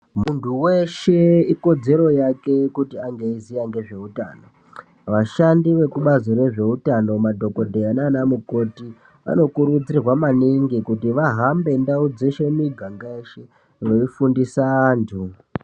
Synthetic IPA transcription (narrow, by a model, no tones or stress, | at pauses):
muntʰuweʃe̞iko̞d͡ze̞ɾo̞jake̞kutiaŋɡeizijaŋɡe̞ʐe̞utano̞ | ʋaʃandiʋe̞kuɓazoɾe̞ʐe̞utano̞madʱo̞ko̞dʱeananamuko̞ti | ʋa̰no̞kuɾud͡zirwamaniŋɡikutiʋaɦambe̞ndaud͡zeʃe̞miɡʱaŋɡaeʃe | ʋeifundisantʰu